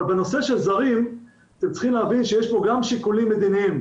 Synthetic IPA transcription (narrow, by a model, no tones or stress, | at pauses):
beno̞se̞ʃe̞lzaʁim | at̪emt͡si̥χimleavinʃejeʃbo̞ɡamʃikulimːed̪iniim